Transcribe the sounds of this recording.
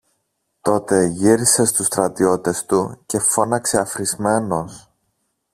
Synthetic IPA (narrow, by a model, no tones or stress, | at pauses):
t̪o̞t̪e̞ʝiɾise̞st̪ust̪ɾɐt̪io̞t̪e̞st̪uce̞fo̞nɐkse̞ɐfɾizme̞no̞s